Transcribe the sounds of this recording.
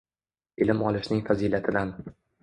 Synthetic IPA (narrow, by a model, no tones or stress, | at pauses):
ɪlɪmɒlɪʃnɪŋfaziːlat̪ʰɪd̪an